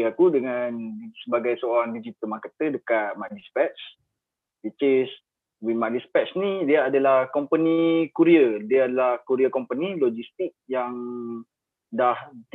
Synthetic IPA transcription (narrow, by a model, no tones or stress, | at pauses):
akudəŋansəbaɡajsəoɾaŋdid͡ʒit̪əlmakat̪ədəkat̪̚madispɛtt͡ʃ | dit͡ʃes | wimalispɛtsnidiaadalahkɔmpənikuɾiədiaːdalahkuɾiakɔmpənilɔd͡ʒist̪ik̚jaŋ | daht̪